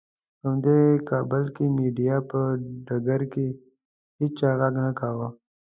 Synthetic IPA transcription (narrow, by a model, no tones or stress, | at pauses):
hamd̪ekabəlkimiɖijapəɖaɡaɾke | hit͡ʃt͡ʃaɣaɡnakawə